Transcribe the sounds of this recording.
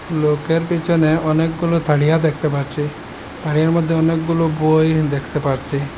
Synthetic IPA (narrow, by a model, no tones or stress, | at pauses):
lokeɾpit͡ʃʰɔneɔnekɡulot̪ʰaɽijad̪ekʰt̪epaɾt͡ʃʰi | t̪ʰaɽijaɾmɔd̪ʱːeɔnekɡulobojd̪ekʰt̪epaɾt͡ʃʰi